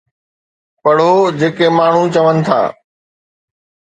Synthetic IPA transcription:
pɐɽ̤od͡ʑeːkemaːɳ̤ũt͡ɕɐʋənɪ̆t̪ʰa̰ː

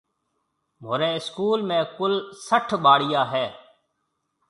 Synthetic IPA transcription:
moːɾeːɪskuːlmẽːkʊlsəʈʰbaːɽɪjaːɦɛː

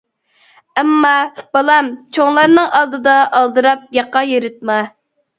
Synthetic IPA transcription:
ɛmːɑb̥ɑlˠɑmt͡ʃʰoŋlˠɑɾnɨŋʔɑlˠd̪ɨd̪ɑʔɑlˠd̪ɨɾɑp̚jɑqːɑjeɾɪt̪̚mɑ

